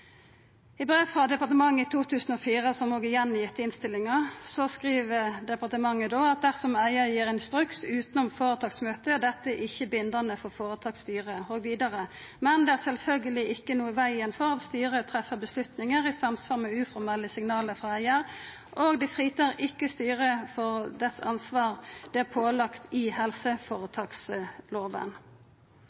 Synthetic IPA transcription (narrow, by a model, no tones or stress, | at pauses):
ɪbʁeːʋfʁɑd̪ɛpɑʁt̪əmɑŋːəɪt̪ʰuːt̪ʰʉːsən̩ɔfiːʁəsɔmoːɡəɪjɛnːjɪt̪ːəɪnst̪ɪlːɪŋɑʁsɔskʁiːʋəd̪ɛpɑʁt̪əmɑŋːəd̪oːɑt̪̚d̪æʁsɔmæɪəjiːʁɪnst̪ʁʉksʉːt̪ənɔmfoːʁət̪ʰɑːɡsmøːt̪əd̪ɛt̪ːəʔɪçːəbɪnd̪ənəfɔʁfoːʁət̪ʰɑːɡst̪yːʁəoːɡʋiːd̪ɑʁəmɛnd̪ɛæʁsɛlfœlɡəlɪʔɪkːənuːəʋæɪənfɔʁɑt̪st̪yːʁət̪ʰɾɛfːəbəslʉt̪nɪŋəʁɪsɑmsʋɑːʁmɛʉːfɔʁmɛləsɪŋnɑːləfʁɑæɪəɾ | ʔoɡd̪ɪfʁiːt̪əʁɪkːəst̪yːʁəfɔʁd̪ɛt̪sɑ̰nsʋɑːʁd̪̥ɛæpʰoːlɑkt̪ʰɪhɛlsəfoːʁət̪ʰɑːksloːʋə̰n